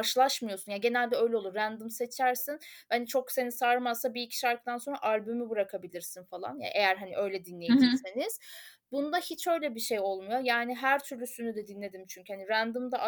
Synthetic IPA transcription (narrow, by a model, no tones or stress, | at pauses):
aɾʃɯlˠaʃmɯjo̞sunjaɟe̞nælʲd̪ɛø̞jlʲɛolˠuɾɾænd̪ɯmse̞t͡ʃʰæɾsinbɛnit͡ʃʰo̞kse̞nisaːɾmazsabiicʰi̥ʃaɾk̚t̪ʰanso̞nɾa̰ʔalʲbymybɯɾakʰabilʲiɾsinfalˠa̰nja̰ʔe̞jæɾɦaniʔø̞jlʲɛd̪inlːʲe̞jed͡ʒise̞niz̥ | bunud̪ahit͡ʃʰø̞jlʲɛbiʃe̞jo̞lˠmujo̞jaːniɦæɾt̪ʰyɾlʲysynyd̪ɛd̪inlʲe̞d̪imt͡ʃʰyɲcʰyhaniɾænd̪ɯmd̪aʔ